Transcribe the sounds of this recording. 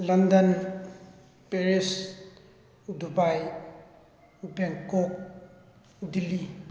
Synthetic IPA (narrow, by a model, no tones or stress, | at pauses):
lɐndɐn | peɾis | udʱubaj | ubeŋkok̚ | udili